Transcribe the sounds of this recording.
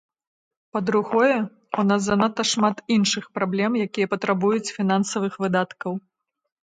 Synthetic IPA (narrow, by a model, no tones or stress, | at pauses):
pɐd̪ɾuɣɔjɛ | unasːɐnat̪ːɐʂmat̪inʂɨxpɾablʲɛmjakʲijɐpɐt̪ɾabujut͡sʲfʲinansɐvɨxvɨd̪at̪kɐw